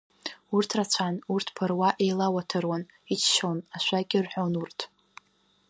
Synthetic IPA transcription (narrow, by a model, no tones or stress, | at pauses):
urtʰrat͡ɕʷʰanurtʰpʰarwaʔe̞jlawatʰɨrwan | it͡ʃʰʃownaʃʷaɡʲɪrħʷᶣonurtʰ